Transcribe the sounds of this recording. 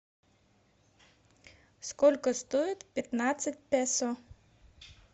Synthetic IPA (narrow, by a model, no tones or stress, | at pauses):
skɔlʲkɔst̪ɔjʊt̪ʲpʲɐt̪nɑt͡sʲːɐtʲpɛsɔ